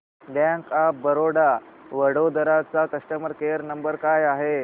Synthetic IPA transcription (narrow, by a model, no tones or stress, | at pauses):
bãŋkabəɾoɽa | ʋəɽod̪əɾat͡sakəʂʈəməɾkejəɾnəmbəɾkajaɦe